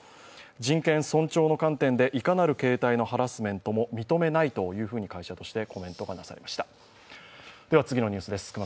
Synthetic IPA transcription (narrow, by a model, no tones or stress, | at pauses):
d͡ʑĩŋkẽ̞ɰ̃sõ̞ɲt͡ɕo̞ːno̞kãnt̪ẽ̞nd̪e̞ʔikanaɾɯ̟ke̞ːt̪aino̞haɾasɨmẽ̞nt̪o̞mo̞mʲit̪o̞me̞nait̪o̞jɯ̟ːɸɯ̟ːɲ̟ikaiɕat̪o̞ɕi̥t̪e̞ko̞mẽ̞nt̪o̞ɡanasa̰ɾemaɕi̥t̪ḁ | d̪̥eβat͡sɨɡʲinoɲ̟ɨːsɨd̪esɨ̥kɯm